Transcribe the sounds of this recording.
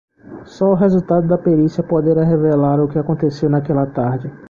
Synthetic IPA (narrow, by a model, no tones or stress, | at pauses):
sɔʊɦezut̪ad̪ʊd̪ɐpeɾisjɐpod̪eɾaɦevelaɾʊkɪakõnt̪esewnakɛlɐt̪aɾd͡ʒɪ